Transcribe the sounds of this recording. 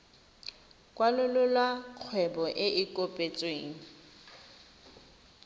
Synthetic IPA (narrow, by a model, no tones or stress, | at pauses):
kʼwalʊlʊlwaq͡χʰwɛbɔʔɪʔɪkʼopʼet͡sʼweːŋ̩